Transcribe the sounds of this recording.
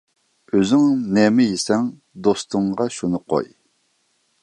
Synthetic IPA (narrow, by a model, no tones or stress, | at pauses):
øzɪŋnɛmɪjesɛŋ | d̪ost̪ʰɨŋʁɑʃunɨqʰo̰j